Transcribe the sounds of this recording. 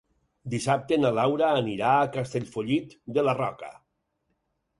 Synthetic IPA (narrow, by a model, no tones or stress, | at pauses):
d̪isap̚t̪enalawɾaːniɾaːkast̪eʎfoʎit̪d̪elarɔka̰